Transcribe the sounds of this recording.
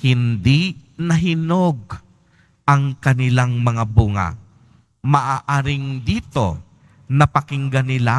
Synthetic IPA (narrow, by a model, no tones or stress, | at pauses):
hɪnd̪inɐɦɪnoɡ̚ | ʔɐŋkɐnɪlaŋmɐŋabuːŋa̰ | mɐʔaːʔaːɾɪŋd̪iːt̪o̰ | nɐpɐkɪŋɡanɪla